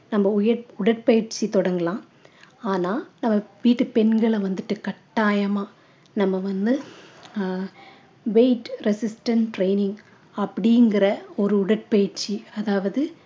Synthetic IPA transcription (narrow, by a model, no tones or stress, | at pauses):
nɐmːɐʊjɐɾʊɽɐʈ̚pɐjɪɾt͡ʃit̪ɔɽɐŋɡɐlãː | aːnaːnɐmːɐʋiːʈːɯpɛnɡɐɭʋɐnd̪ɯʈːɯkɐʈːaːjɐmaː | nɐmːɐʋɐnd̪ɯ | ʋeɪʈɾɛsɪsʈɐnʈɾeɪnɪŋ | ɐpːɐɽɪjŋɡɪɾɐɔɾɯʊɽɐʈ̚pɐjɪɾt͡ʃiɐðaːʋɐðɯ